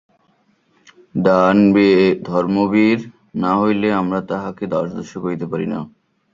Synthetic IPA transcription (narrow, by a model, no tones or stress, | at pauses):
d̪anbid̪ʱɔɾmobiɾ | naɦojleamɾat̪aɦaked̪aɾʃd̪oʃokoɾit̪epaɾina̰